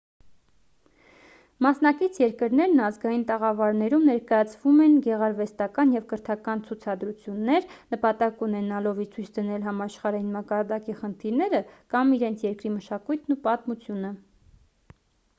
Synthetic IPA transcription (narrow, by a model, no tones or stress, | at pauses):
mɑsnɑkit͡sʰjɛɾkəɾnɛɾnɑzɡɑjint̪ɛʁɑvɑɾnɛɾumnɛɾkɑjɑt͡sʰvumɛnɡɛʁɑɾvɛst̪ɑkɑnjɛvkəɾt̪ʰɑkɑnt͡sʰut͡sʰɑd̪ɾut͡sʰjunːɛɾnəpɑt̪ɑkunɛnɑlɔviɾt͡sʰujt͡sʰd̪ənɛlɦɑmɑʃχɑɾɑjinmɑkɑɾd̪ɑkiχənt̪ʰiɾnɛɾəkɑmiɾɛnt͡sʰjɛɾkɾiməʃɑkujt̪ʰnupɑt̪mut͡sʰjunə